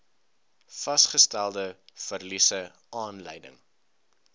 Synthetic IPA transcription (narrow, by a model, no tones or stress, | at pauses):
fɐsχəstælˠdəfərlisə | ɑːnlɛ̰jdə̰ŋ